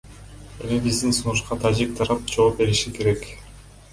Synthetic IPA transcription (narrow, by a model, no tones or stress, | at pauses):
e̞mibizd̪insunuʃqɑt̪ʰad͡ʒik̚t̪ʰɑɾɑp̚d͡ʒo̞op̚be̞ɾiʃike̞ɾe̞k